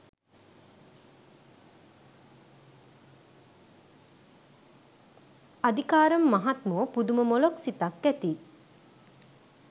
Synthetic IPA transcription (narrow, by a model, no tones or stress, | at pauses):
ad̪ikaːɾɐmːaɦat̪muːpud̪uməmoloksit̪akːæt̪iː